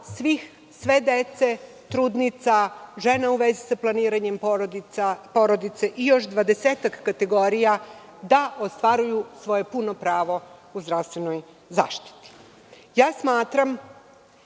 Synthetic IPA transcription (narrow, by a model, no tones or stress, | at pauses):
sʋix | sʋe̞d̪e̞t̪se̞ | t̪ɾuːd̪nit̪saʒe̞nauʋe̞zisaplˠaniːɾaɲe̞mɾod̪iapo̞ɾo̞d̪it̪se̞ʔijo̞ʃd̪ʋad̪e̞seːt̪akːat̪e̞ɡo̞ɾija | d̪aʔost̪ʋaɾujusʋo̞je̞punopɾaːʋo̞uzd̪ɾafst̪ʋe̞no̞j | za̰ːʃt̪i̥t̪i̥ | jaːsmaːt̪ɾam